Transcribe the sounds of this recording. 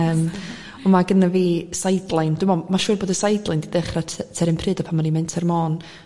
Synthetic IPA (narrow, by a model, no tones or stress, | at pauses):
əːm | ɔmaɡənaviːsajdlˠɪnd̥ɪmɔmaʃuːrboːdəsajdlˠɪndidɛχratʰtʰɛɾɪmpʰrɨːdapʰamanimɛntʰɛrmɔːn